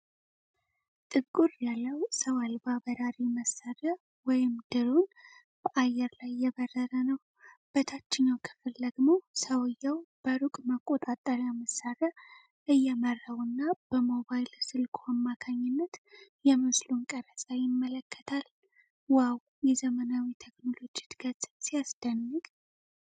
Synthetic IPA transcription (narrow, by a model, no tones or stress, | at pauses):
t̪ʼɨβkʼuɾjalːəwsəwalbabəɾaɾiməsarə | wɔjɪmd̪̥ɨɾun | b̥əʔajɛɾlajːɛβərːəɾənəw | b̥ət̪ʰat͡ʃːɪɲːawkʰɨ̥fɨld̪əɡmo̞səwɨjawb̥əɾukʼməkʼːo̞t̪ʼat̪ʼːəɾjaməsːaɾə | ʔɨjɛmərːawɨnːab̥əmo̞βajɪlsɨlkʰoamːakʰaɲːɪnːət̪jɛmɨslunkʼəɾət͡sʼajɪmːələkʰːə̥t̪ʰal | waw | jɛzəmənawit̪ʰekno̞lo̞d͡ʒit̪ɡət͡sʼsijasd̪̥ənːɨɡʼ